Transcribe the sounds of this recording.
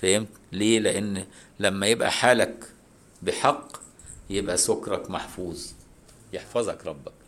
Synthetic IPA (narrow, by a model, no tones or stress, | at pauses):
fæhem | leːleʔenː | læmːæjebʔæ̰ħaːlæk | bɪħɑqː | jebʔæsokɾˤɑkmaħfuːzˤ | jeħfɑzˤɑkɾˤɑbːɑk̚